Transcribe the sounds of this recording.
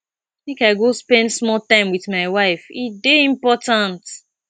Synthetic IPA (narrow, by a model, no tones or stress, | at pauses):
θĩŋkaɪɡospɛ̃ndsmɔltãɪ̃mwiθmaɪwaɪfideĩmpɔtãnt